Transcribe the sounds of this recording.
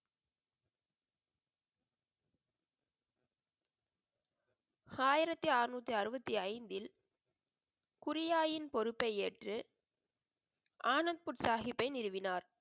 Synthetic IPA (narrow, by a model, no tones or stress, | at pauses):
aːjɪɾɐt̪ːiaːɾnuːt̪ːiɐɾɯbɐt̪ːiɐɪnd̪ɪl | kʊɾɪjaːjɪnpɔɾɯpːɐɪeːʈrɯ | ʔaːnɐnd̪̚pʊʈsaːɣɪpːɐɪnɪɾɯʋɪnaːɾ